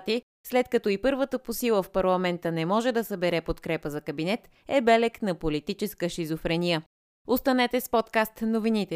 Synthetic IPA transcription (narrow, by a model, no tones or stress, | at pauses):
t̪i | slɛt̪kɐt̪ɔipɤɾvət̪əposilˠəfpɐɾlˠɐmɛnt̪ənɛmɔʒɛd̪ɐsɐbɛɾɛpot̪kɾɛpəzɐkɐbinɛt̪ | ɛbɛlɛknɐpolit̪it͡ʃɛskəʃizofɾɛnijə | ost̪ɐnɛt̪ɛspɔt̪kast̪novinit̪ɛ